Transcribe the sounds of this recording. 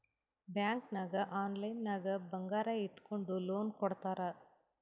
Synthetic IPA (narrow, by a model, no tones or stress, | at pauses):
bjaːŋknaːɡɐʔaːnlɐjnːaːɡɐbɐŋɡaːɾɐiʈːkoɳɖuloːnkɔɽt̪aːɾɐ